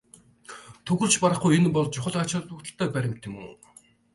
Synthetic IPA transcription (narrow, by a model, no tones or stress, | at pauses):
t̪ʰɵɣɵ̆rt͡ɕpaɾə̆χujenpɔɮt͡ɕʊχə̆ɮat͡ɕăt̪wʊ̆kt̪ə̆ɬt̪œːpæɾʲɪ̆t̪ʰɪ̆mṵː